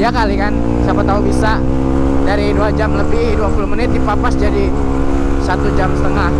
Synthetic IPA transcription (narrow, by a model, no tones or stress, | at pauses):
jakalikan | sapat̪aubisa | daɾiduad͡ʒamləbɪduapulomənɪt̪̚dipapasd͡ʒadi | sat̪ud͡ʒamsə̥t̪əŋah